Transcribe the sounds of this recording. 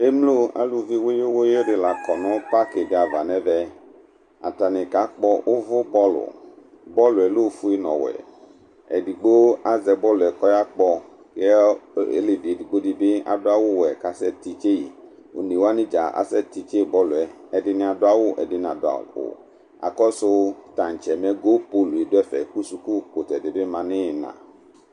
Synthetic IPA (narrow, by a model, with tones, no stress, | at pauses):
e˦mlo˦a̰˦lu˨vi˦wo˦jo˦wo˦je˦ɖɪ˨la˨kɔ˨nɔ̃˦pa˦ke˨dɪ˦a˨va˨nɛ̃˦vɛ˦ | a˨ta˨nɪ̃˨ka˨˦k͡pɔ˦ʔo˦vʊ˦bɔ˦lʊ̰˨ | bɔ˦lʊ˨ɛ˨lo˦˨˦fu˦e˦nɔ̰̃˨wɛ̰˨ | ɛ̰˨di˨ɡ͡bo˦a˦zɛ˨bɔ˦lʊ˨ɛ˨kɔ˦ja˦k͡pɔ˦ | ke˦ḛ˦le˨bi˨ɛ˨di˨ɡ͡bo˦dɪ˦bɪ˦a̰˨dʊ˦a˦wʊ˦wɛ˨ka˨sɛ˦t̪i˨t͡ʃe˦i˨ | o˨nĩ˨wo˦a˦nɪ̃˦d͡ʒa˨ʔa̰˦sɛ˦t̪i˨t͡ʃe˦˨bɔ˦lʊ˨ɛ˨ | ɛ˨dɪ˦nɪ̃˦a˨dʊ˦a˦wʊ˦ʔɛ̰˨dɪ˨n˨a̰˨dʊ˨˦a̰˨ʊ̰˨ | a̰˨kɔ˦sʊ˦t̪ã˨n˨t͡ʃɛ˨mɛ˦ɡo˦po˦lu˨e˨dʊ˦ɛ˦fɛ˨ku˦su˨ku˦ko˨t̪ɛ˨dɪ˨bɪ˦mã˨nɪ˦˨nã̰˨